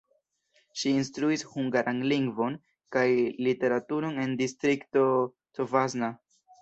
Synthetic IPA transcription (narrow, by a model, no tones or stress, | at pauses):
ʃiːnstɾuishuŋɡaɾʔanliŋɡvo̞n | kajlite̞ɾatuɾo̞ne̞ndistɾikto̞ | tovazna